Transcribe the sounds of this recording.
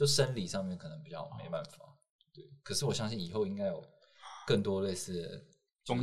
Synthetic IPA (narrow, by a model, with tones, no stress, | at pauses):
t͡ɕo˥˩ʂə˦nli˨˩ʂɑ˥˧ŋmjnkʰɤ˨˩nə˧˥ŋpi˨˩t͡ɕɑ˥˩ʊmḛ˧˦ɪpa˥˩nfa̰˨˩˦ | t̪we˥˩ɪkʰə˨˩ʂɻ̩˥˩wɔ˨˩ɕjɑ˥ŋɕi˥˩ni˨˩xo˥˩ʊi˥ŋka˥ɪjo˨˩ʊ | kə˥˩nt̪wɔ˥le˥˧ɪsɹ̩˥˩ | ʊ˥ŋ